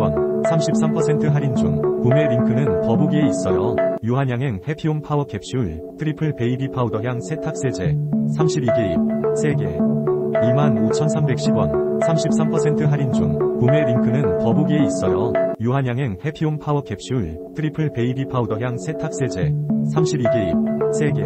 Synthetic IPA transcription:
ʌnsʰamɕʰip̚s͈ʰampʰʌsʰe̞ntʰɯɦaɾind͡ʑuŋkumeɾikʰɯnɯnkʌbuɡie̞is͈jʌjuɦaɲjaŋɦe̞ŋhepʰipʰawʌkʰe̞p̚ɕ͈i | tʰɯɾipʰɯpeibipʰadʌɦjaŋsʰe̞tʰak̚s͈e̞d͡ʑesʰamɕʰibiɡeisʰe̞ɡe̞̰ | imanot͡ɕʰʌnsʰambe̞k̚ɕ͈ʰiɡwansʰamɕʰip̚s͈ampʰʌsʰe̞ntʰɯɦaɾind͡ʑṵŋkume̞ɾiŋkʰɯnɯnkʌbɡie̞is͈ʌjʌjuɦaɲɦaŋɦe̞ŋhe̞pʰionpʰawʌkʰe̞p̚ɕ͈iuɭtʰɯɾipʰɯɭpe̞ibipʰaudʌɦjaŋsʰetʰak̚s͈ed͡ʑe̞sʰamɕʰibiɡe̞isʰe̞ɡe̞̰

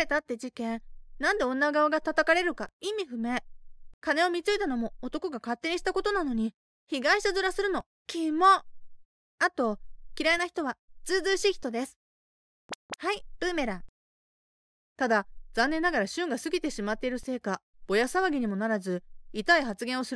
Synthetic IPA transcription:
e̞t̪at̪ːe̞d͡ʑikẽ̞nãnd̪e̞õ̞nːaɡaoɡat̪at̪akaɾe̞ɾɯ̟kaimʲiɸɯ̟me̞kane̞o̞mʲit͡sɨit̪ano̞mo̞ːt̪o̞ko̞ɡakat̪ːe̞ɲ̟iɕi̥t̪ako̞t̪o̞nano̞ɲ̟i | çiɡaĩɕit̪azɨɾasɨɾɯ̟no̞ | kʲʰimːo̞ | at̪o̞kʲiɾainaçi̥t̪o̞βat͡sɨːzɨːɕikʲçʲi̥t̪o̞d̪e̞sɨ̥ | haipɯːme̞ɾa | t̪ad̪az̥ãnːenːaɡaɾaɕɨ̃ŋɡasɨɡʲit̪e̞ɕimat̪ːe̞iɾɯ̟se̞ːkab̥o̞jasaβaɡʲiɲ̟imo̞naɾazɨit̪aiɦat͡sɨɡẽ̞ɰ̃o̞sɨɾ

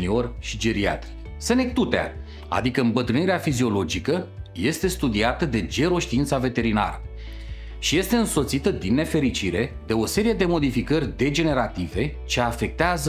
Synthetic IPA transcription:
nio̞rʲʃid͡ʒe̞ɾia̰t̪rʲ | se̞ne̞k̚t̪ut̪ea̰ | a̰d̪ikəɨmbət̪ɾɨniɾeafizio̞lo̞d͡ʒikəje̞st̪e̞st̪ud̪iat̪əd̪e̞d͡ʒe̞ɾo̞ʃt̪iint̪save̞t̪e̞ɾina̰ɾə | ʃije̞st̪e̞ɨnso̞t̪sit̪əd̪inːe̞fe̞ɾit͡ʃiɾe̞d̪e̞o̞se̞ɾije̞d̪e̞mo̞d̪ifikərʲd̪e̞d͡ʒe̞ne̞ɾat̪ive̞t͡ʃe̞afe̞k̚t̪eazə

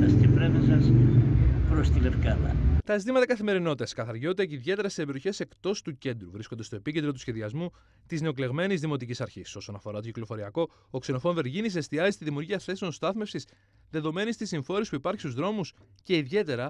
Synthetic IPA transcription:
ɐstepɾevezɐs | pɾost̪ilefkɐðɐ̰t̪ɐezit̪imɐt̪ɐkɐθime̞ɾino̞t̪eskɐθɐɾʝo̞t̪eciðʝe̞t̪e̞ɾɐssebeɾioçe̞se̞kt̪o̞st̪uce̞nd̪ɾuvɾisko̞nd̪e̞st̪o̞e̞picend̪ɾo̞t̪u̥sçe̞ðiɐzmu | t̪izne̞o̞kle̞ɣme̞nizðimo̞t̪icisɐɾçiso̞so̞nɐfo̞ɾɐt̪ociklo̞fo̞ɾiɐko̞ː | kseno̞foɱve̞ɾʝinis̬e̞st̪iɐzist̪iðimiuɾʝiɐθe̞seo̞nst̪ɐθme̞fsis | ðe̞ðo̞me̞nist̪isiɱfo̞ɾispuipɐɾçi̥st̪uzðɾo̞mus | ce̞iðʝe̞t̪e̞ɾɐ

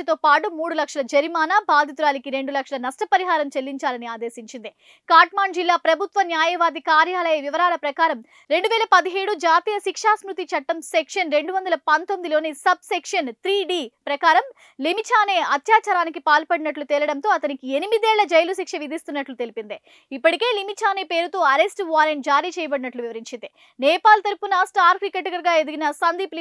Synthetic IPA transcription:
ɐt̪oːpaːʈumuːɽulɐkʂɐlɐd͡ʒɐɾimaːnabaːd̪ʱit̪uɾaːlikiɾe̞ɳɖulɐkʂɐlɐnɐsʈɐpɐɾiɦaːɾɐmt͡ʃelːiɲt͡ʃaːlɐniaːd̪e̞ːsiɲt͡ʃind̪i | kaːɾʈmaːɳd͡ʒilːaːpɾɐbʱut̪ʋɐnjaːjɐʋaːd̪ikaːɾjaːlɐjɐʋiʋɐɾaːlɐpɾɐkaːɾɐm | ɾe̞ɳɖuʋɛːlɐpɐd̪iɦeːɽud͡ʒaːt̪iːjɐʃikʂaːsmɾut̪it͡ʃɐʈːɐmsekʂɐnɾeɳɖuʋɐnd̪ɐlɐpɐnt̪omid̪iloːnisɐb̚sekʂɐnt̪ɾiːɖiːpɾɐkaːɾɐm | limit͡ʃʰaːneːɐt̪jaːt͡ʃaːɾaːnikipaːlpɐɽinɐʈlut̪ɛːlɐɽɐnt̪oːɐt̪ɐnikienimid̪iɛːɭːɐd͡ʒɐjlus̬ikʂɐʋid̪ʱist̪unːɐʈlut̪e̞lipind̪i | ipːɐʈike̞ːlimit͡ʃʰaːneːpe̞ːɾut̪oːɐɾesʈʋaːɾeɳʈ̚d͡ʒaːɾiːt͡ʃɛːjɐbɐɽinɐʈluʋiʋɐɾiɲt͡ʃind̪i | nɛːpaːlt̪ɐɾupunɐsʈaːɾkɾikeʈːɐɡɐɾɡaːed̪uɡinɐsɐnd̪iːpl

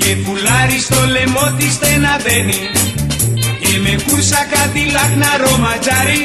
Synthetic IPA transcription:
epulaɾist̪ɔlemɔt̪ist̪ɛnad̪ɛni | emekuɾsakad̪ilakʰnaɾɔmad͡ʒaɾi

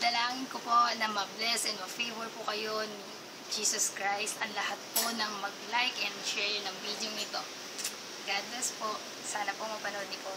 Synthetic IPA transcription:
d̪ɐlaːŋɪnkopo̞nɐmɐblɛsʔɛnmɐfejvɔɹpʊkɐjoni | d͡ʒiːsɐskɹajst̪ɐŋlɐhat̪̚ponɐŋmɐɡ̚lajkɛnd̪ʃɛɹnɐŋbid̪joŋɪt̪o̞ | ɡad̪nɛspoʔ | saːnɐpomɐpɐnod̪nɪpo

